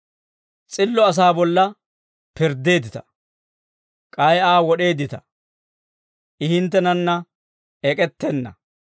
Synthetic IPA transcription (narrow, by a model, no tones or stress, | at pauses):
t͡sʼɪlːɔɐs̬aːbɔlːɐ | pɪɾd̪e̞ːd̪ɪt̪ɐ̥ | kʼɐjaːwɔɗe̞ːd̪ɪt̪ɐ̥ | ʔɪhɪnt̪̬ːɛnɐnːɐ | ɛkʼɛt̪ːɛnːɐ̰